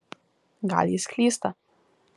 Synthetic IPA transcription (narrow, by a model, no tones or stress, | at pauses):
ɡa̰lisklʲist̪a